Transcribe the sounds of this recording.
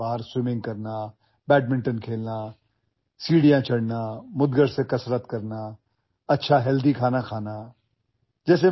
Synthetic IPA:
aːɾswɪmɪ̃ŋɡ̚kəɾnaː | bɛːʈ̚mɪ̃ɳʈənkʰeːlnaː | siːɽijãːt͡ʃʰəɽnaːmʊd̪ɡəɾsẽkəsɾət̪kəɾnaː | ɐtːʃʰaːɦɛld̪ikʰaːnakʰaːnaː | d͡ʒɛːs̬e

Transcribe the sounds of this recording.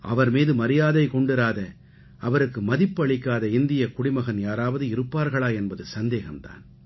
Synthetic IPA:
ʔɐ̰ʋɐɾmiːðɯmɐɾɪjaːðɐɪkɔɳɖɪɾaːðɐ | ɐʋɐɾɯkːɯmɐðɪpːɐɭɪkːaːðɐɪnd̪ɪjɐkʊɽɪmɐɣɐnjaːɾaːʋɐðɯɪɾɯpːaːɾɣɐɭaːɛnbɐðɯsɐnd̪eːɣɐmt̪a̰ːn

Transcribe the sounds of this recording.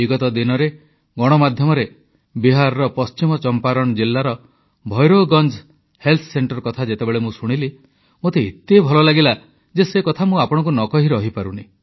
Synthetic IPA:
iɡɔt̪ɔd̪inɔɾe | ɡɔɽ̃ɔmad̪ʱjɔmɔɾe | biɦaɾɔɾɔpɔst͡ʃimɔt͡ʃɔmpaɾɔɽ̃ɔd͡ʒilːaɾɔ | bʱɔjɾoɡɔnd͡ʒ | helt̪ʰɔ̥seɳʈɔɾkɔt̪ʰad͡ʒet̪ebeɭemũsuɽ̃ili | mot̪eit̪ːebʱɔlɔlaɡila | d͡ʒesekɔt̪ʰamũapɔɽ̃ɔ̃ŋk̬unɔkɔɦiɾɔɦipaɾuni

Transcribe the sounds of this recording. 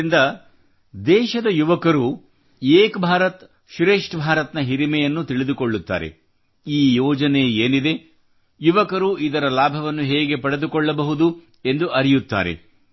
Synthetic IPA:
ind̪ɐ | d̪ɛːʃɐd̪ɐjuʋɐkɐɾu | eːkbʱaːɾɐt̪ | ʃɾeːʂʈbʱaːɾɐt̪nɐɦiɾimɛjɐnːut̪iɭid̪ukoɭːut̪ːa̰ːɾḛ | iːjɔːd͡ʒɐne̞eːnid̪e̞ | juʋɐkɐɾuʔid̪ɐɾɐlaːbʱɐʋɐnːuɦeːɡe̞pɐɽe̞d̪ukɔɭːɐbɐɦud̪u | e̞nd̪uʔɐɾijut̪ːa̰ːɾe̞̰

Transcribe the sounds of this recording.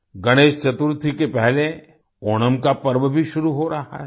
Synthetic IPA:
ɡɐɽ̃eːʃt͡ʃɐt̪uɾt̪ʰikepɛɦle | oːɽ̃əmkapɐɾʋəbʱiʃʊɾuɦoɾɐɦa̰ɦɛ

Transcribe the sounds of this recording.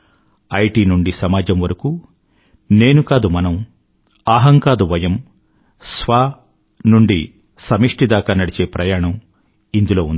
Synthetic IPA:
ɐjʈiːnuɳɖisɐmaːd͡ʒɐmʋɐɾɐkuː | ne̞ːnukaːd̪umɐnɐm | aːɦɐŋkaːd̪uʋɐjɐm | sʋaː | nuɳɖi | sɐmiʂʈid̪aːkaːnɐɽit͡ʃe̞ːpɾʔɐjaːɳɐm | ind̪ulo̞ːund̪i

